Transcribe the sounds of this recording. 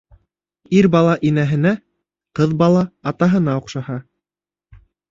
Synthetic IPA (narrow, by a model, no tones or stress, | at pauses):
iɾbɑlˠɑʔinæɦɘ̆næ | qɤðbɑlˠɑːt̪ɑɦɤ̆nɑoqʃɑhɑ